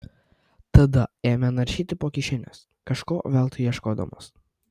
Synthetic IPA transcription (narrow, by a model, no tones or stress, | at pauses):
t̪ɐd̪ɐeːmʲɛnɐɾʲʃʲiːt̪ʲɪpoːkʲɪʃʲɪnʲɛ̰s | kɐʃkoːʋʲɛːlˠt̪ɐiɛʃkoːd̪ɐ̰mo̰ːs